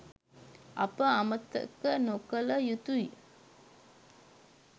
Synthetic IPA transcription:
a̰pəamət̪ːə̰kənokələjut̪uj

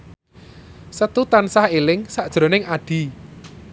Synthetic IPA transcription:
sət̪ut̪ansahelɪŋsaʔd̥ʒ̥ɾo̤nɪŋaɖ̥i̤

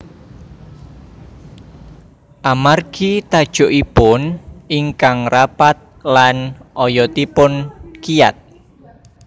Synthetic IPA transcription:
ʔamarɡ̥it̪ad̥ʒ̥o̤ʔipʊnʔiŋkaŋrapat̪̚lanʔɔjɔt̪ipʊnkija̰t̪̚

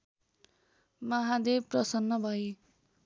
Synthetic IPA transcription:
mʌɦad̪ebprʌsʌnːʌbʱʌj

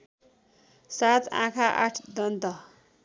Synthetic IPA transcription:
sat̪ã̰kʰaʔa̰ʈʰd̪ʌnt̪ʌ

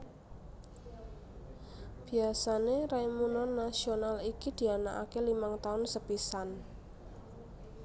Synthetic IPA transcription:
b̥i̤asaneɾajmunɔnːasionalikid̪̥i̤ana̰ʔa̰kelimaŋt̪aʊnsəpisan

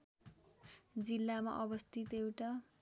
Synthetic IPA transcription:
d͡zilːama̰ʔʌbʌst̪ʰit̪ewʈa

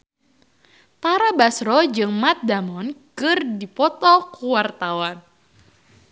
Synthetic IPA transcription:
t̪aɾabasɾɔd͡ʒɨŋmat̪̚damɔnkɨrdipɔt̪ɔkuwart̪awan

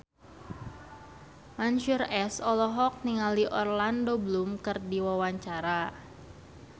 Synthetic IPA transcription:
mansurɛsɔlɔɦɔk̚niŋaliʔɔrlandobəlumkɨrdiwawaɲt͡ʃaɾa

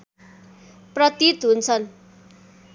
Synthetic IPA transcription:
prʌt̪it̪ɦunt͡sʰʌn

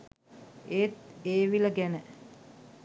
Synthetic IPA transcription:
eːt̪̚eːʋiləɡænə

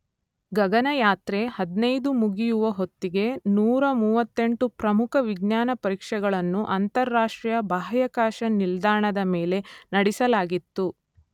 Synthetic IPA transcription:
ɡɐɡɐnɐjaːt̪ɾehɐd̪nɐjd̪umuɡijuʋɐɦo̞t̪ːiɡe̞nuːɾɐmuːʋɐt̪ːe̞ɳʈupɾɐmukʰɐʋiɡ̚njaːnɐpɐɾiːkʂɛɡɐɭɐnːuʔɐnt̪ɐɾːaːʂʈɾijɐbaːɦɐjɐkaːʃɐnild̪aːɳɐd̪ɐmeːle̞nɐɽisɐlaːɡit̪ːu

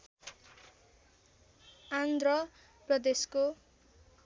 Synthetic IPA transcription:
and̪rʌ | prʌd̪esko

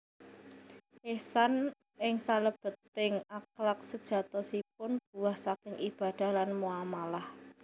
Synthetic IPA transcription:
esan | ɪŋsaləb̥ə̤t̪ːɪŋaklak̚səd̥ʒ̥ä̤t̪ɔsip̚ʊnb̥ṳwahsakɪŋʔib̥a̤d̪̥a̤hlanmualmalah

